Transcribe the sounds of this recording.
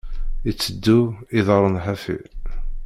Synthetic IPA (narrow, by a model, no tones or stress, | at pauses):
it͡sːəd̪ːuiðəɾˤənħæfḭ